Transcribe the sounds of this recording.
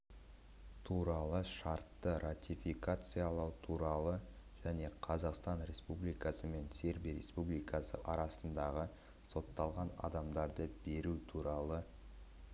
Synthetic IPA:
t̪ʰuɾɑlˠəʃɑɾt̪ːəɾat̪ʲifikat̪sɨjalˠɑwt̪ʰuɾɑlˠə | ʒ̥æne̞qʰɑzɑqst̪ɑnɾʲe̞spublijkɑsəme̞nse̞ɾbijɾe̞̰spublijkɑsə̰ʔɑɾɑsənd̪ɑʁə | so̞t̪ːɑlˠʁɑnɑ̰d̪ɑmd̪ɑɾd̪əbe̞ɾut̪ʰuɾɑlˠə

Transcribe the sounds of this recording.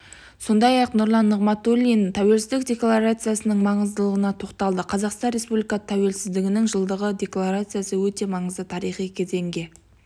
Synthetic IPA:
so̞nd̪ɑjɑqnʊɾlˠɑnːəʁmɑt̪olʲint̪ʰæwe̞lsɪzd̪ɪk̚d̪ʲe̞klˠaɾat̪sɨjasənəɴmɑɴəzd̪əlˠəʁənɑt̪ʰo̞qt̪ɑlˠd̪əqʰɑzɑqst̪ɑnɾʲe̞spublijkat̪ʰæwe̞lsɪzd̪ɪɡʲɪnɪŋʒəlˠd̪əʁəd̪ʲe̞klˠaɾat̪sɨjasəwɵt̪e̞mɑɴəzd̪ət̪ʰɑɾijχijkʲʰeze̞ŋɡʲe̞

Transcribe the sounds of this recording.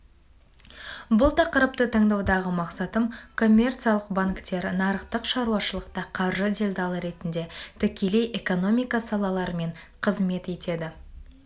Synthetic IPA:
bʊlˠt̪ʰɑqəɾəp̚t̪ət̪ʰɑɴd̪ɑwd̪ɑʁəmɑqsɑt̪əmkʰo̞mʲːe̞rt̪sijalˠəqbaŋkt̪e̞ɾnɑɾəqt̪əqʃɑɾuwɑʃəlˠəqt̪ɑqʰɑɾʒəd̪ʲelʲd̪ɑlˠəɾe̞t̪ɪnd̪e̞t̪ʰɪkʲe̞le̞jʔe̞ko̞no̞mʲijkɑsɑlˠɑlˠɑɾəme̞ɴqʰəzme̞t̪e̞t̪e̞d̪ɪ

